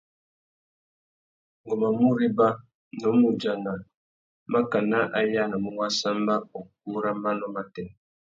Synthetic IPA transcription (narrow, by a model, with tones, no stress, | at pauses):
ŋɡɔ˨ma˨mu˦ɾi˦ba˦ | nɔ˨˦mu˨d͡ʒa˨na˨ | ma˦ka˨na˦ʔa˦ja˦na˨mu˦wa˦sa˦mba˦o˨k̚u˦ɾa˦mba˦nɔ˦ma˦tɛ˨n˨